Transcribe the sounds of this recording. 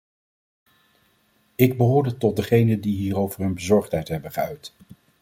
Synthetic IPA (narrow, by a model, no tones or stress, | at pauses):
ɪɡ̚bəɦʊːɹdətɔt̚dəχejnəndiɦiːrowvəɹɦɵnbəzɔɹχtɦɛjtɦɛbəχəœɥt